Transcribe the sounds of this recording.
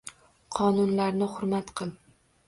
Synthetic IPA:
qʰɒnʊnlaɾnɪχʊɾmat̪qʰɨl

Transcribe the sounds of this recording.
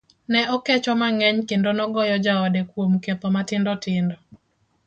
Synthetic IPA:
nɛʔɔkɛt͡ʃɔmaŋɛɲkendonɔɡɔjɔd͡ʒaɔdekwomket̪ɔmatɪndɔtɪndɔ

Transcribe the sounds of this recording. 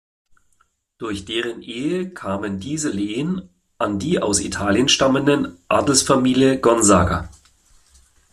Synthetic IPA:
d̥ʊɐçd̥eːʁənʔeːəkʰaːməndiːzəleːən | ʔandiːʔaʊsḭtʰaːljənʃtaməndənʔaːdl̩sfamiːljəɡɔnzaːɡa̰

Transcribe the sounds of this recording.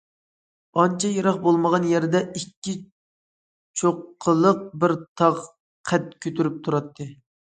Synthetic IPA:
ɑnt͡ʃʰɛjɑɾɑχbolˠməʁɑnjɛɾd̪ɛikʲːi | t͡ʃʰoqʰːəlˠəq̚bɪɾt̪ʰɑʁ | qʰɛt̪̚kʲʰøt̪ʰyɾyp̚t̪ʰuɾɑt̪ʰːɨ

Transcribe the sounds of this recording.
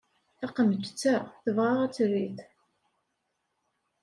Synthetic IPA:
θɑqəmət̪t͡sːæʁθəvʁaʁæt͡sːɾiθ

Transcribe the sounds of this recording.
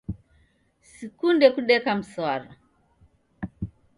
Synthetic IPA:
sikundɛkuɗɛkam̩saɾa

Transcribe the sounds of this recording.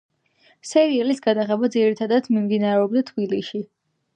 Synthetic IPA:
sɛɾiɛlisɡad̪aχɛbad̪ziɾit̪ʰad̪ad̪mimd̪inaɾɛɔbd̪at̪ʰbiliʃi

